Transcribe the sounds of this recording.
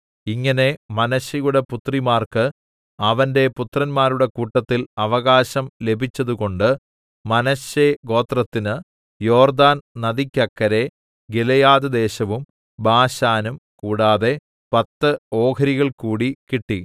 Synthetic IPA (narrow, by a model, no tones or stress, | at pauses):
iŋːɐne̞mɐnɐɕjɐjuɽe̞put̪rimaːrkɨ | ɐʋɐnde̞put̪rɐnmaːɾuɽe̞kuːʈːɐt̪ːilɐʋɐɣaːɕɐmle̞bʱit͡ɕːɐðuɣo̞ɳɖɨ | mɐnɐɕjeɡo̞ːt̪rɐt̪ːinɨ | jo̞ːrd̪aːnnɐðikʲːɐkːɐɾe̞ | ɡelɐjaːðɐd̪e̞ːɕɐʋum | baːɕaːnumkuːɽaːðe̞ | pɐt̪ːɨo̞ːkɐɾiɣɐɭkuːɽikiʈːi